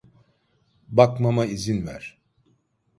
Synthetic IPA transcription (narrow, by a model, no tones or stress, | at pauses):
bakmamaizinvæ̰ɾ̥